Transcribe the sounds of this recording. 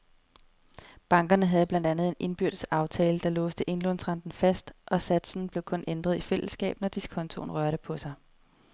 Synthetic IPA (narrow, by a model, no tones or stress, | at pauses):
b̥ɑ̈ŋɡ̥ɐnəɦæð̞̩ˠb̥læn̰d̥ænð̞̩ˠe̝nʔe̝nb̥yɐ̰d̥̩sɑ̈ʊt͡sʰɛːləd̥ɑ̈lɔ̽ːsd̥əʔe̝nlɔnsʁɑ̈nd̥n̩fæsd̥ʔɒ̽sæd̥sn̩b̥le̝ʊkʰɔ̽nʔend̥ʁɐðˠifel̰əsːɡ̥ɛ̰ːb̥nɒd̥iskʰɒ̽nt͡sʰo̝̰nʁɶɐɾəpʰɒ̽sɑ̈ɪ